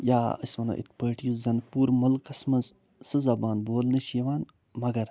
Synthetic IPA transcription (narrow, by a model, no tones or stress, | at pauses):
jaːə̰smɐnɐ̰ːʔḭt̪̚ʰpəːʈjuszɐnpuːɾmɐlkɐsmɐns | sɨzɐbaːnboːlnɨʃjɐʋaːn | mɐɡɐɾ